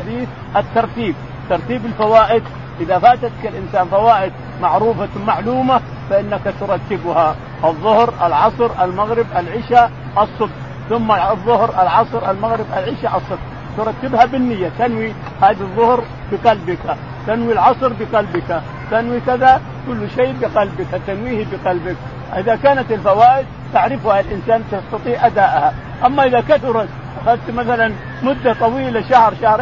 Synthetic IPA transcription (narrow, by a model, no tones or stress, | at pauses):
ad̪iːθ | ʔat̪ːɑɾˤt̪iːb̚ | t̪ɑɾˤt̪iːbɪlfawaːʔɪd̪ | ʔɪðafaːt̪at̪kalʔɪnsaːnfawaːʔɪd̪̚ | maʕɾuːfamaʕluːma | faʔɪnːakat̪ʊɾˤɑt̪ːɪbha | ʔɨðˤːʊhɾalʕɑsˤɾʔalmaɣɾɪbʔalʕɪʃa | ʔɑsˤːɨbq | θʊmːaðˤːʊhɾʔalʕɑsˤɾʔalmaɣɾɪbalʕɪʃaʔɑsˤːɨb | t̪ʊɾˤɑt̪ːɪbhabɪnːɪjːat̪anwi | haːðɑðˤːʊhɾ | bɪqɑlbɪka | t̪anwilʕɑsˤɾbɪqɑlbɪka | t̪anwikaða | kʊlːʃeːbɪqalbɪkat̪anwiːhibiqɑlbɪk̚ | ʔɪðakaːnat̪ɪlfawaːʔɪd̪̚ | t̪aʕɾɪfuhalʔɪnsaːnt̪ast̪ɑt̪ˤiːʕʔad̪aːʔha | ʔamːaʔɪðakaθʊɾˤɑt̪ | ʔaxad̪t̪maθalan | mʊd̪ːat̪ˤɑwiːlaʃahɾˤʃahɾ